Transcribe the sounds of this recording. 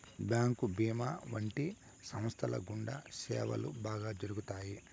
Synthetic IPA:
bjaːŋkubiːmaːʋɐɳʈi | sɐm̃st̪ʰɐlɐ̰ɡuɳɖɐ̰sɛ̰ːʋɐ̰lubaːɡaːd͡ʒɐɾuɡut̪aːji

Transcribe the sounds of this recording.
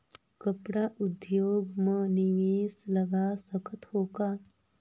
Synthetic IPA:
kəpɽaʔʊd̪joːɡmə̃nɪʋeːsləɡasəkʰət̪hoːkaː

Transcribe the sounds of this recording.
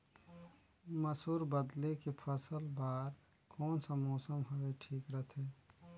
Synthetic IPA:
məsuːɾbəd̪lekepʰəsəlbaːɾ | kɔːnsəmoːsəmɦoeʈʰiːkɾət̪ʰe

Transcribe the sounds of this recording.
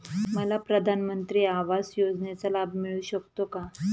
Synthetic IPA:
məlapɾəd̪ʱanmənt̪ɾiːaʋasjod͡znjat͡salabmiɭuɕəkt̪oka

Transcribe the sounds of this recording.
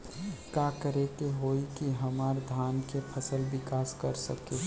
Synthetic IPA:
kakəɾekeɦoikiɦəmaːɾd̪ʱaːnkepʰəsəlbɪkaːskəɾsəke

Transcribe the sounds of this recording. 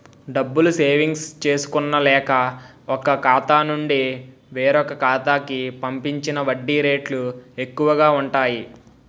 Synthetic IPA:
ɖɐbːuluse̞ːʋiŋɡst͡ʃe̞ːsu̥kunːɐlɛːkɐ | ɔkɐkaːt̪aːnuɳɖi | ʋeːɾɔkɐkaːt̪aːkipɐmpiɲt͡ʃinɐʋɐɖːiɾe̞ːʈlue̞kːuʋɐɡaːuɳʈaːji

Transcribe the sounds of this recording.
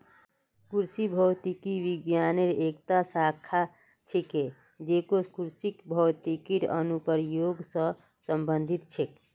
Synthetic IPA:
kuɾsibʱət̪ikiʋiɡjaneɾekt̪asakʰa | t͡ʃʰike | d͡ʒekokuɾsikbʱəwt̪ikiɾə̰nupəɾjoɡsə̃ | səmbənd̪ʱit̪̚t͡ʃʰek

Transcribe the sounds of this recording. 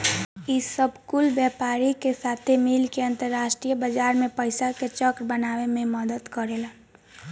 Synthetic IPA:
isəbʱkʊlbjɛːpaːɾikesaːt̪ʰemilkeə̃nt̪əɾːaːʃʈɾijəbəd͡ʒaːɾmẽpəɪsaket͡ʃəkɾbənaːwemẽməd̪əd̪kəɾelən

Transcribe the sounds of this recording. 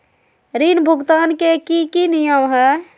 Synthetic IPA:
ɾinbʱuɡt̪ankekikinijəmɦɛ

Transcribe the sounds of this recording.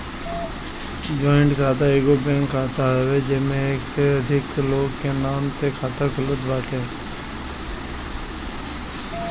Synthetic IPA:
d͡ʒɔːɪ̃ɳɖkʰaːt̪aeːɡobɛ̃ːŋkːaːt̪aɦɛʋed͡ʒɪsmẽeːkt̪eəd̪ʱɪkloːɡkenaːmt̪ekʰaːt̪akəlʊd̪baːt̪e

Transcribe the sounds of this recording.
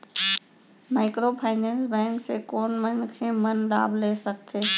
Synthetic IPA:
maːɪkɾopʰaːɪnɛ̃ːnsbɛ̃ːŋkseːkoːnmənkʰeːmənla̰ːbleːsəkt̪ʰeː

